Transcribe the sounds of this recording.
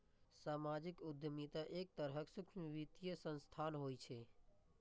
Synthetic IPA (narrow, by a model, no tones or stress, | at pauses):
saːmad͡ʒikʊd̪ʱjəmit̪aʔek̚t̪əɾɦəksʊkʰmʋit̪ijəsə̃nst̪ʰaːnɦojt͡ʃʰe